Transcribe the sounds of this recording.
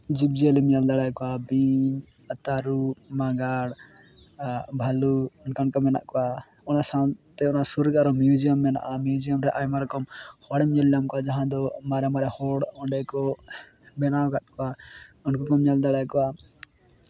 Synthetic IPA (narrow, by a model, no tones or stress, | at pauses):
d͡ʒibd͡ʒielimɲald̪aɽajkɔabiɲ | ət̪aɾumaɡaɽ | bʱaluɔnkankɔmɛna̰ʔkɔwa | ɔnasãt̪ɛɔnasuɾɡaɾɔmjud͡ʒiəmːɛna̰ʔamjud͡ʒijəmɾɛʔajmaɾɛkɔmhɔɽɛmɲaljamkɔad͡ʒaɦãd̪ɔmaɾɛmaɾɛhɔɽɔ̃ɳɖɛkɔ | bɛnawkat̪̚kɔaɔnkɔkɔmɲald̪aɽajkɔa